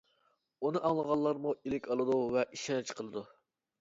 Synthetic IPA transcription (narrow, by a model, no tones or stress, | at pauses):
unɨʔɑŋlˠəʁɑlˠːɑɾmuilɪkʲɑlˠɨd̪uvɛʔiʃɛnt͡ʃqʰəlˠɨd̪u